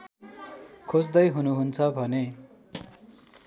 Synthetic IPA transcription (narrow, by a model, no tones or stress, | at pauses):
kʰod͡zd̪ʌjɦunuɦunt͡sʰʌbʱʌne